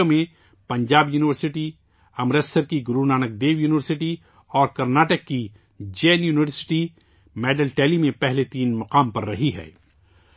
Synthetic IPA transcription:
omẽ | pɐ̃ɲd͡ʒaːbjuːnɪʋəɾsɪʈi | ɐmɾesəɾkiɡʊɾunaːnək̚d̪eːʋjuːnɪʋəɾsɪʈi | ɔːɾkɐɾnaːʈəkːi | d͡ʒeːnjuːnɪʋəɾsɪ̥ʈi | mɛːɖəlʈɛːlimẽpɛɦlet̪iːnmɐqaːmpɐɾːɐɦiɦɛ̰ː

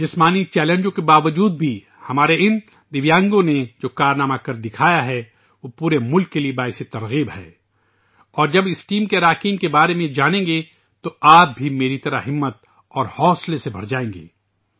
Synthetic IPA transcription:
d͡ʒɪsmaːnit͡ʃɛːlẽnd͡ʒõkebaːʋəd͡ʒuːd̪̚bʱi | hɐmaːɾeɪn | d̪ɪʋjãːŋɡõned͡ʒoːkaːɾnaːmakɐɾd̪ɪkʰaːjaɦɛ | ʋopuːɾemʊlkːeliebaːɦɪset̪ɐɾɣiːbhɛ̰ː | ɔːɾd͡ʒɐbɪsʈiːmkeɾaːkɪ̃ŋkebaːɾemẽd͡ʒaːnẽːŋɡe | t̪oaːp̚bʱimeːɾit̪ɐɾə̰ɦɪmːət̪̚ | ɔːɾhɔːslesebʱɐɾd͡ʒaːẽːŋɡḛː

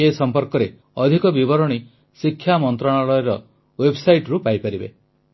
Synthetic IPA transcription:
esɔmpɔɾkɔɾe | ɔd̪ʱikɔbibɔɾɔɽ̃i | sikʰːjamɔnt̪ɾɔɽ̃alɔeɾɔ | websajʈɾupajpaɾibḛ

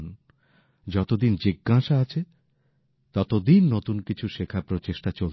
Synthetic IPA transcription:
n | d͡ʑɔt̪od̪ind͡ʑiɡːaʃaat͡ɕʰe | t̪ɔt̪od̪inːot̪unkit͡ɕʰuʃekʰapɾot͡ɕeʃʈat͡ɕol

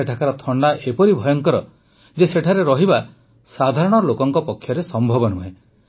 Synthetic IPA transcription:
eʈʰakaɾɔt̪ʰɔɳɖaʔepɔɾibʱɔjɔŋkɔɾɔ | d͡ʒeseʈʰaɾeɾɔɦiba | sad̪ʱaɾɔɽ̃ɔlokɔŋkɔpɔkʰːjɔɾesɔmbʱɔbɔnuɦe

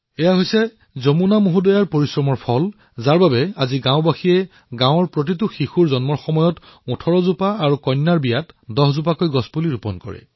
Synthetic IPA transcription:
ɛjaɦojsɛ | zomunamuɦudɔjaɹpoɹisɹɔmɔɹpʰɔl | zaɹbabɛaziɡãʊ̃baxiɛ | ɡãw̃ɔɹpɹot̬it̬uxixuɹzɔnmɔɹxɔmɔjɔtɔtʰɔɹɔzupaːɹukɔjnːaɹbijatdɔɦzup̬akojɡɔsbuliɹupɔ̰nkɔ̰ɹɛ̰

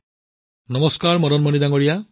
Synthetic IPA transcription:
nɔmɔskaɾmɔɾɔnmɔnid̪aŋɔɽija

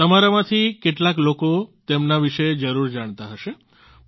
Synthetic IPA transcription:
t̪əmaɾamãt̪ʰikeʈlaklokot̪emnaʋiʃed͡ʒəɾuɾd͡ʒaɽ̃t̪aɦəʃe

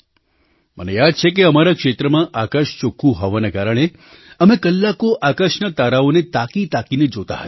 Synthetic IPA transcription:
mə̰nejad̪̚t͡ʃʰek̬eəmaɾakʃet̪ɾəmãʔakəʃt͡ʃokʰũɦoʋanakaɾəɽ̃e | əmekəlːakoʔakəʃnət̪aɾaonet̪akit̪akined͡ʒot̪a̰ɦət̪

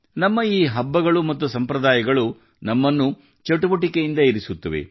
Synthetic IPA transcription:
nɐmːɐiːɦɐbːɐɡɐɭumɐt̪ːusɐmpɾɐd̪aːjɐɡɐɭu | nɐmːɐnːu | t͡ʃɐʈuʋɐʈikejind̪ɐiɾisut̪ːɐʋḛ

